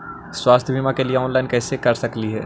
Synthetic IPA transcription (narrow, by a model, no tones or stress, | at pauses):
swaːst̪ʰjəbʱiːmakelieɔːnlaɪnkɛːsekɐɾsɐkliɦɛː